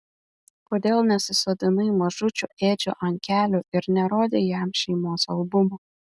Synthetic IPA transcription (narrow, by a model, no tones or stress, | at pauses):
poːd̪ʲeːlˠnʲɛsʲɪsoːd̪ʲɪnɐɪmɐʒʊt͡ʃʲuʔeːd͡ʒʲo̰ːʔɐŋʲkʲæːlʲoɪɾnʲɛɾoːd̪ʲeːjæmʃʲɛɪmoːsɐlˠbʊmoː